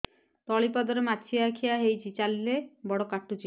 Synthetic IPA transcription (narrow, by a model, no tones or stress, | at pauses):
t̪ɔɭipɔd̪ɔɾemat͡ʃʰiakʰiaɦejt͡ʃʰit͡ʃalilebɔɽɔkaʈːut͡ʃʰi